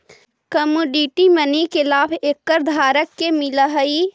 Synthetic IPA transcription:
kəmuɖiʈimənikɪlaːbʰeːkːəɾd̪ʱaːɾəkːemɪləɦəi

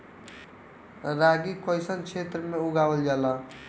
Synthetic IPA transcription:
ɾaɡikəjsənt͡ʃʰet̪ɾəmeuɡabəld͡ʒala

